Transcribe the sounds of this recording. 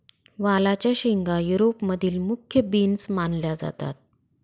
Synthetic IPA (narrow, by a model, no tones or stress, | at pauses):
ʋalat͡ɕjaɕiŋɡajuɾopməd̪ʱiːlmukʰjəbinsmanljad͡za̰t̪a̰t̪̚